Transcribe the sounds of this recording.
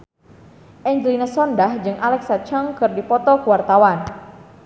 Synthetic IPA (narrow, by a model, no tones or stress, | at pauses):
ʔɛɲd͡ʒəlinasɔndahd͡ʒɨŋʔalɛksat͡ʃəŋkɨrdipɔt̪ɔkuwart̪awan